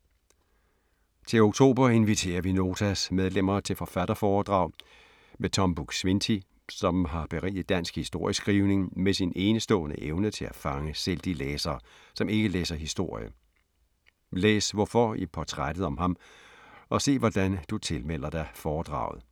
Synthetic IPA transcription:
t͡sʰe̝lo̝ɡ̥̚t͡sʰo̝̰ːb̥ɐe̝nʋit͡sʰe̝̰ːɐʋino̝ːt͡sʰæsmeð̞ˠlem̰ɐt͡sʰe̝lfɒ̽fæɾ̥ɐfɒːd̥ʁɑ̈ʊ | met͡sʰɒ̽mb̥uɡ̥sʋent͡sʰi | sɒ̽mɦɑ̈b̥e̝ʁḭːð̩ˠd̥æn̰sɡ̥hisd̥o̝ɐ̰jəsɡ̥ʁiːʊne̝ŋmesine̝ːnəsd̥ɔ̰̽ːnəʔeʊnət͡sʰe̝læfɑ̈ŋəseld̥ileːsɐː | sɒ̽me̝ɡ̥əlḛːsɐɦisd̥o̝ɐ̰jə̰ | leːsʋɒfɒipʰɒt͡sʰʁad̥ð̩ˠɒ̽mɦɑ̈m | ɒ̽se̝̰ːʋɒd̥ænd̥ut͡sʰe̝lmel̰ɐd̥ɑfɒːd̥ʁɑ̈ʊ̰ð̩ˠ

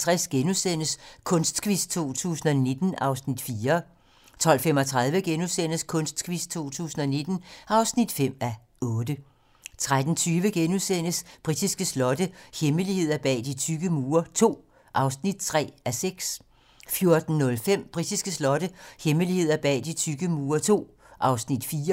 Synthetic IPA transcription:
t͡sʰʁɛsɡ̥enusen̰əskʰɔ̽nsd̥kʰʋist͡sʰo̝̰ːt͡sʰṵːsn̩ɒne̝d̥n̩ɑ̈ʊsnid̥fiːɐ | t͡sʰɒ̽l̰fem̰ɒ̽t͡sʰʁað̞ˠʋəɡ̥enusen̰əskʰɔ̽nsd̥kʰʋist͡sʰo̝̰ːt͡sʰṵːsn̩ɒne̝d̥n̩ɑ̈ʊsnid̥fem̰æ | ɔ̽ːd̥ə | t͡sʰʁad̥n̩t͡sʰyːʋəɡ̥enusen̰əsb̥ʁid̥isɡ̥əslɒ̽dəheməlihe̝ð̞̰ˠɐb̥ɛ̰ːd̥it͡sʰyɡ̥əmuːɐt͡sʰo̝̰ː | ʔɑ̈ʊsnid̥̚t͡sʰʁɛ̰ːæseɡ̥s | fjo̝ɐd̥n̩ːɔ̽lfem̰b̥ʁid̥isɡ̥əslɒ̽d̥əheməlihe̝ð̞̰ˠɐb̥ɛ̰ːd̥it͡sʰyɡ̥əmːɐt͡sʰo̝̰ː | ʔɑ̈ʊsnid̥fiːɐ

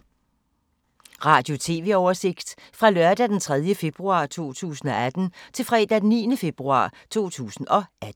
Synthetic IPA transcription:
ʁɑ̈ːd̥jo̝t͡sʰe̝ːʋe̝ɒʊɐse̝ɡ̥d̥fʁɑ̈lɶɐd̥æd̥ent͡sʰʁɛð̞ˠjəfe̝b̥ʁuɑ̈t͡sʰo̝̰ːt͡sʰṵːsn̩ɒ̽æd̥n̩t͡sʰe̝lfʁɛːd̥ædeniːnəfe̝b̥ʁuɑ̰̈ːt͡sʰo̝̰ːt͡sʰṵːsn̩ɒ̽ʔæd̥

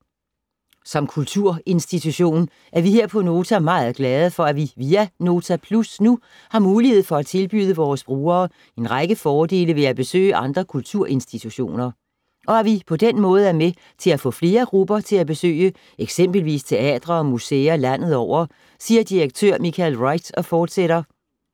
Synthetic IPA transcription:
sɒ̽mkʰult͡sʰuɐ̰e̝nsd̥it͡sʰuɕo̝̰ːn | ʔæɐʋiɦe̝ɐ̰pʰɒ̽no̝ːt͡sʰæmɑ̈ːð̩ˠɡ̥lɛð̞ˠəfɒ̽æʋiʋiːæno̝ːt͡sʰæpʰlusnu | hɑ̈muːlihe̝ð̞̰ˠfɒ̽æt͡sʰe̝lb̥y̰ːðˠəʋɒːsb̥ʁuːɐː | e̝nʁɑ̈ɪɡ̥əfɒːd̥e̝̰ːləʋe̝æb̥e̝sø̰ːɪəʔɑ̈nd̥ʁɐkʰult͡sʰuɐ̰ʔe̝nsd̥it͡sʰuɕo̝̰ːnɐ | ʔɒ̽æʋipʰɒ̽d̥enmɔ̽ːð̞̩ˠæɐme | t͡sʰe̝læfɔ̰̽ːfle̝ːɐɡ̥ʁub̥ɐt͡sʰe̝læb̥e̝sø̰ːɪə | eɡ̥sem̰b̥əl̩ʋḭːst͡sʰe̝ɛ̰ːd̥ʁɐɒ̽museːɐlæn̰ð̞̩ˠɒʊ̰ɐ | siːɐd̥iʁeɡ̥̚t͡sʰøɐ̰mikʰælʁɑ̈ɪd̥sɒ̽fɒːd̥seɾ̥ɐ

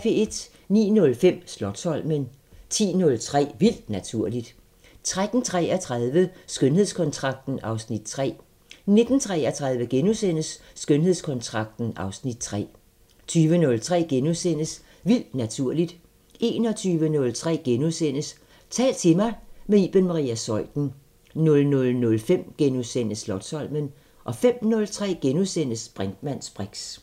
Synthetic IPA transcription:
fee̝d̥ | nḭːnɔ̽lfem̰slɒ̽d̥sɒ̽l̰men | t͡sʰḭːnɔ̽lt͡sʰʁɛ̰ːʋil̰d̥næt͡sʰuɐ̰lid̥ | t͡sʰʁad̥n̩t͡sʰʁɛ̰æt͡sʰʁaðˠʋəsɡ̥ønhe̝ð̞̰ˠskʰɒ̽nt͡sʰʁɑ̈ɡ̥̚d̥n̩ɑ̈ʊsnid̥̚t͡sʰʁɛ̰ː | ne̝d̥n̩t͡sʰʁɛːæt͡sʰʁäð̞ˠʋəɡ̥enusen̰əsː | ɡ̥ønɦe̝ðˠskʰɒ̽nt͡sʰʁɑ̈ɡ̥̚d̥n̩ɑ̈ʊsnid̥̚t͡sʰʁɛ̰ː | t͡sʰyːʋənɔ̽lt͡sʰʁɛ̰ːɡ̥enuðˠsen̰əs | ʋil̰d̥næt͡sʰuɐ̰lid̥ | ʔe̝ːnɒ̽t͡sʰyːʋənɔ̽lt͡sʰʁɛ̰ːɡ̥enuðˠsen̰əs | t͡sʰɛ̰ːlt͡sʰe̝mɑ̈ɪmeiːb̥ənmɑʁḭːæsɒ̽ɪ̰d̥n̩ | nɔ̽lnɔ̽lnɔ̽lfem̰ɡ̥enusen̰əslɒ̽d̥sɒ̽lmən | ʔɒ̽fem̰nɔ̽lt͡sʰʁɛ̰ːɡ̥enusen̰əsb̥ʁand̥mæn̰sb̥ʁaɡ̥s

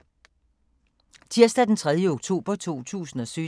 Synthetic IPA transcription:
t͡sʰiɐsd̥æd̥ent͡sʰʁað̞ˠjəoɡ̥̚t͡sʰo̝̰ːb̥ɐt͡sʰo̝̰ːt͡sʰṵːsn̩ɒ̽sy

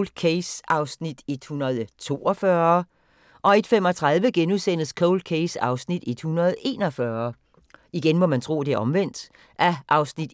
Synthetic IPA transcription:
ld̥̚kʰesɑ̈ʊsnid̥e̝d̥hunɐð̞ˠt͡sʰo̝ːɒfɶɐ | ʔɒ̽e̝d̥femɒ̽t͡sʰʁɑ̈ð̞ˠʋəɡ̥enuðˠsen̰ð̩skʰoʊld̥̚kʰesɑ̈ʊsnid̥e̝d̥hunɐð̞̩ˠe̝̰ːnɒ̽fɶɐ | iɡ̥enmɒ̽mænt͡sʰʁo̝̰ːd̥e̝æɐɒ̽mʋen̰d̥ | ʔæʔɑ̈ʊsnid̥

